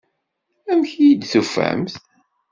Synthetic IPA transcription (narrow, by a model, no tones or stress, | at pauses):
æmçijid̪θufæ̰mθ